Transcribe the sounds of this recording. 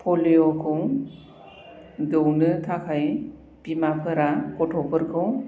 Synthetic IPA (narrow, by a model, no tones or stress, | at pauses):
pʰɔlijɔkʰɯw | dɯwnɯtʰakʰaj | pimapʰɯɾakɔtʰɔpʰɯɾkʰɯw